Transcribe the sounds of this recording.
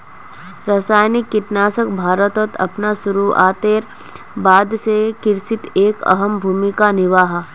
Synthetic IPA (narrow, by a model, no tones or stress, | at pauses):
ɾasaːjnikːɪʈnaːsəkbʱaːɾət̪ət̪ɐ̰pnasʊɾua̰ːt̪eːɾ | baːd̪sekɪɾsɪt̪eːkɐ̰ɦəmbʱuːmikanɪʋaːɦ